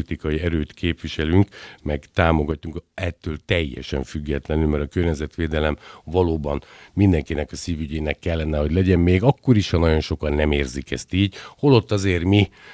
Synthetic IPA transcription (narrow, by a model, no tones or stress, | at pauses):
it̪ikɒjiɛɾøːt̪kʰeːpʋiʃɛlyŋkmɛɡt̪aːmo̞ɡɒt̪ːuŋkɛt̪ːøːlt̪ɛjːɛ̰ʃɛ̰ɱfyɡːɛt̪lɛnylmɛɾɒkørɲɛzɛt̪ʋeːd̪ɛlɛmvɒloːbɒnmind̪ɛŋkinɛkɒsiːvyɟeːnɛkːɛlːɛnɛho̞ɟlɛɟɛmmeːɡɒkːo̞ɾiʃhɒnɒɟo̞nʃo̞kɒnːɛmeːrzikɛ̰st̪iːɟho̞lo̞t̪ːɒzeːrmi